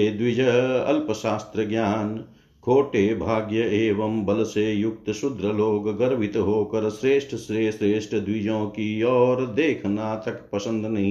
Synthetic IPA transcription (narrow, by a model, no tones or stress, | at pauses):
ed̪ʋɪd͡ʒɐɐ̰lpəʃaːst̪ɾəɡjaːn | kʰoːʈeːbʱaːɡjɐeːʋɐmbɐlsejʊk̚t̪ʃʊd̪ɾəloːɡɡɐɾʋʱɪt̪ɦoːkɐɾsɾeːʂʈʰəsɾeːʃɾeːʃʈəd̪ʋɪd͡ʒõːkiɔːɾd̪eːkʰnaːt̪ʰɐkpɐsə̃nd̪nɐɦĩ